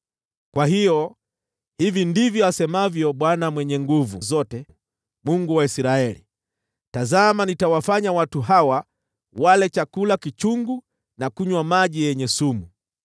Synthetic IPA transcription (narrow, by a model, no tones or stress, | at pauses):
kwaɦijɔ | hivindivjɔasɛmavjɔɓwanamwɛɲɛŋɡuvuzɔtɛ | muŋɡuwaisɾaɛlḭ | tazamanitawafaɲawatuɦawa | walɛt͡ʃakulakit͡ʃuŋɡu | nakuɲwamaʄijɛɲɛsumu